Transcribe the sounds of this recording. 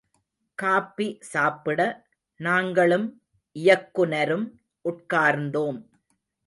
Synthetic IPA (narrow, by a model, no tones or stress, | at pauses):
kaːpːisaːpɪɽɐ | naːŋɡɐɭɯm | ʔɪjɐkːʊnɐɾɯm | ʔʊʈ̚kaːɾnd̪oːm